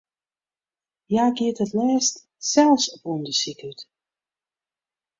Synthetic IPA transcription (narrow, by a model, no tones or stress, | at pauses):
jaːɡiətətlɛːst | sɛlˠfsɔpuəndəsikyt